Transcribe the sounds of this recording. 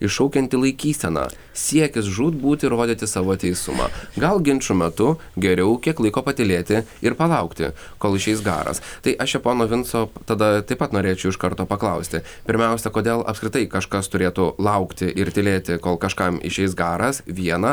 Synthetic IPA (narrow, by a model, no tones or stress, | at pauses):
ɪʃɐʊkʲɛnʲt̪ʲɪlˠɐɪkʲiːsʲt̪ʲɛnɑ̰ː | sʲiɛkʲɪs̬ʒuːt̪buːt̪ʲɪɾoːd̪ʲiːt̪ʲɪsɑːʋoːt̪ʲɛɪsʊmɑ̰ːɡɐlˠɡʲɪnʲt͡ʃʊmʲɛt̪ʊ | ɡʲɛɾʲɛʊkʲiɛklˠɐɪkoːpɐt̪ʲɪlʲeːt̪ʲɪɪɾpɐlˠɐʊkt̪ʲɪ̰ | koːlˠɪʃʲɛɪsɡɑ̰ːɾɐ̰st̪ɐɪʔɐʃjɛpoːnoːʋʲɪnt̪soːt̪ɐd̪ɐt̪ɐɪpɐt̪noːɾʲeːt͡ʃʲɛʊɪʃkɐɾt̪oːpɐklˠɐʊsʲt̪ʲɪ | pʲɪɾʲmʲɛʊsʲɛkoːd̪ʲeːlˠɐpskɾʲɪt̪ɐɪkɐʃkɐst̪ʊɾʲeːt̪ʊlˠɐʊkt̪ʲɪʔɪɾt̪ʲɪlʲeːt̪ʲɪkoːlˠkɐʃkɑmɪ̰ʃʲɛɪsɡɑːɾɐsʋʲiɛnɐ